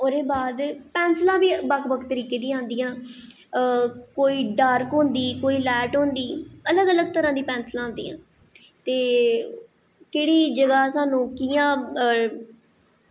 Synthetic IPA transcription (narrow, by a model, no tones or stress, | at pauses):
oːɾeːbaːd̪pɛːnslãːbiːbəkʰbəkʰt̪əɾiːkeːd̪ĩːãːnd̪ijãː | koːiːɖaːɾkɦõːnd̪iːkoːiːlɛːʈɦõːnd̪iːələɡələɡt̪əɾãːd̪iːpɛ̃ːnslãːnd̪ḭːã̰ː | t̪eː | keːɽiːd͡ʒəɡaːsaːnũːkijãː